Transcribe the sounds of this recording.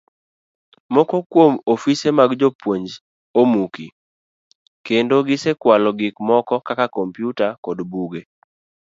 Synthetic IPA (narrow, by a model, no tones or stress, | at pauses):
mɔkɔkwomofisemaɡd͡ʒopwoɲd͡ʒ | omuki | kendoɡɪsekwalɔɡɪkmɔkɔkakakɔmpjutakɔdbuɡe